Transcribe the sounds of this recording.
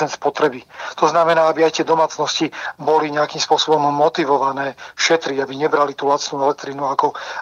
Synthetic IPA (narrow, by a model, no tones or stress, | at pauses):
ɛnspɔt̪ɾɛbit̪ɔznamɛnaːabiajt̪ɪɛd̪ɔmaːt͡snɔscibɔliɲɛakimspʊɔsɔbɔmːɔt̪iʋɔʋanɛːʃɛt̪ɾiabiɲɛbɾalit̪uːlat͡s̪nuːɛlɛk̚t̪ɾinuakɔ